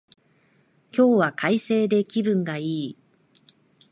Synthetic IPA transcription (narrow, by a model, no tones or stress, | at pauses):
kʲo̞ːβakʰaise̞ːd̪e̞kʲibɯ̟̃ŋɡaiː